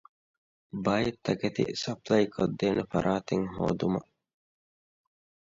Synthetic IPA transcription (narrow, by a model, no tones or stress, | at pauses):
bɐjet̪ʰːɐket̪ḭsɐplɐjkʰod̪ːeːnefɐ̰ɾʔaːt̪eŋɦo̰ːd̪umɐ̰